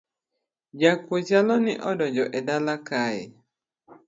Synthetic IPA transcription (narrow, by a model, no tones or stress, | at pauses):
d͡ʒakozalɔnɪʔɔdɔd͡ʒɔʔɛdalakajɪ̰